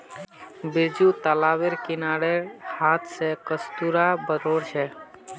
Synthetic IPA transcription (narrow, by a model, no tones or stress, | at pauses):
bɪɾd͡ʒuːt̪əlaːʋeɾkɪnaːɽeɾhaːt̪ʰsekəst̪uɾabəɾoːɾt͡ʃʰɛ